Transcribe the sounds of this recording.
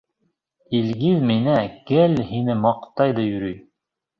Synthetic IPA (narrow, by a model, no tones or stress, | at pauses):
ilɡiðminækɘlhinɘmɑqt̪ɑjðɑjɵ̆ɾyj